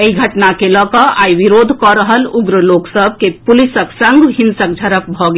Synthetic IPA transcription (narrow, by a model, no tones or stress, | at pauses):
eiɡʱəʈnakelɔkəaːiʋiɾoːd̪ʱkɔɾəɦəluɡɾəloːksəb̚ʱkepulisəksə̃ŋɡɦinsək̚d͡ʒʱɐɾəp̚bʱɔɡe